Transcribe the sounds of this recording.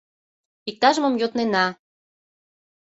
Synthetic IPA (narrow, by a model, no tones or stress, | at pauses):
ik̚t̪ɑʒəmə̆mjot̪nenɑ